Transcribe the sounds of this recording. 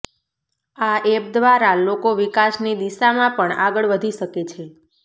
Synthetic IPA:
aeb̚d̪ʋaɾalokoʋikasnid̪iʃamãpəɳaɡəɭʋəd̪ʱiʃəket͡ʃʰe

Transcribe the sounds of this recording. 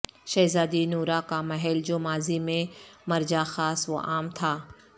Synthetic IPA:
ʃɐːzaːd̪inuːɾakamɐɦɛld͡ʑoːmaːzimẽmɐɾd͡ʑaxaːsʋo̰ʔaːmt̪ʰaː

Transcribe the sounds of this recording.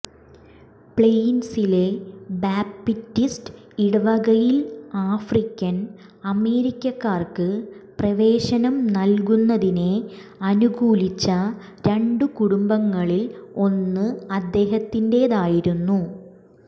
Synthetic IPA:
pɭejnsile̞baːpːitːist | iɽɐʋɐɣɐjilaːfrikʲːɐn | ɐme̞ːɾikʲːɐkːaːrkɨprɐʋe̞ːɕɐnɐmnɐlkunːɐðine̞ɐnuɣuːlit͡ɕːɐ | ɾe̞ɳɖɨkuɽumbɐŋːɐɭilo̞nːɨɐd̪ːe̞ːɦɐt̪ːinde̞ːðaːjiɾunːu

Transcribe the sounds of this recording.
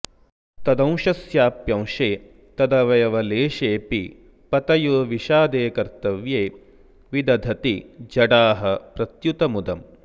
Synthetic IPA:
t̪ɐd̪ɐ̃w̃ʃɐsjaːpjɐ̃w̃ʃeː | t̪ɐd̪ɐʋɐjɐʋɐleːʃeːpi | pɐt̪ɐjoːʋiʃaːd̪eːkɐɾt̪ɐʋjeː | ʋid̪ɐd̪ʱɐt̪id͡ʒɐɽaːɦɐpɾɐt̪jut̪ɐmud̪ɐm

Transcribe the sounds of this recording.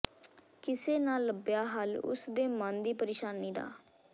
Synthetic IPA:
kɪseːnãːlːəbjaːɦəlʊ̰sd̪eːmənd̪iːpəɾeːʃaːniːd̪a̰ː

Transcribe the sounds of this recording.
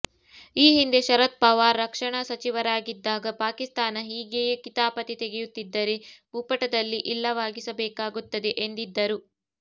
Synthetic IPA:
iːɦind̪e̞ʃɐɾɐt̪̚pɐʋaːɾːɐkʂɐɳɐsɐt͡ʃiʋɐɾaːɡid̪ːaːɡɐpaːkist̪aːnɐɦiːɡejekit̪aːpɐt̪it̪eɡejut̪ːid̪ːɐɾe̞bupɐʈɐd̪ɐlːiʔilːɐʋaːɡisɐbɛːkaːɡut̪ːɐd̪e̞ʔend̪id̪ːɐɾu

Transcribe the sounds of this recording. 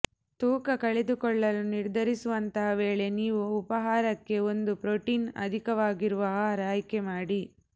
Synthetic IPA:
t̪uːkɐkɐɭed̪ukɔɭːɐluniɾd̪ʱɐɾisuʋɐnt̪ɐɦɐʋeːɭe̞niːʋuːpɐɦaːɾɐkːe̞o̞nd̪upɾoʈiːnɐ̰d̪ʱikɐʋaːɡiɾuʋɐɦɐɾaːjkemaːɽi

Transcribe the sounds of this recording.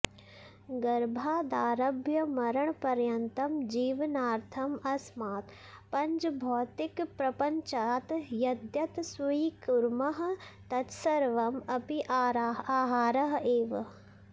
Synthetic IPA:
ɡɐɾbʱaːd̪aːɾɐbʱjɐmɐɾɐɳ̃pɐɾjɐnt̪ɐmd͡ʒiːʋnaːɾt̪ʰɐmɐsmaːt̪ | pɐ̃ɲd͡ʒbʱɔːt̪ɪkpɾɐpɐɲt͡ʃaːt̪jɐd̪jɐt̪suikuɾmɐɦt̪ɐt̪sɐɾʋɐmɐpiʔaːɦaːɾɐɦeːʋ

